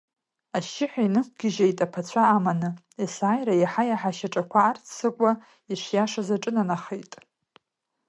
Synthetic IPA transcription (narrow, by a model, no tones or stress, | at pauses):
aʃɪħʷᶣainɨk̚ʷʰʼɡʲɪʒejtʼapʰat͡ɕʷʰaːmanɨ | isaːjɾajaħajaħaʃaʈ͡ʂʼakʷʰaːrtʰsɨkʷʼa | iʂʷjaʂazaʈ͡ʂʼɨnanaχejtʼ